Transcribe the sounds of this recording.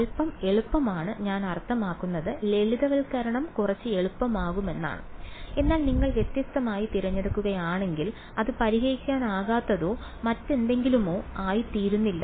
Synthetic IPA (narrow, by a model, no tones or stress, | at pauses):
ɐlpːɐme̞ɭupːɐmaːɳɨɲaːnɐrt̪ʰːɐmaːkːunːɐðɨle̞ɭiðɐʋɐlkɐɾɐɳɐmkurɐt͡ɕːɨe̞ɭupːɐmaːɣume̞nːa̰ːɳɨe̞nːaːlniŋːɐɭʋje̞t̪jɐst̪ɐmaːjit̪iɾɐɲːɐɽɐkːuɣɐjaːɳe̞ŋɡil | ɐðɨpɐɾiɦejikʲːaːnaːɣaːt̪ːɐðo̞ː | mɐtːe̞nd̪e̞ŋɡilumo̞ːaːjit̪iːɾunːilːɐ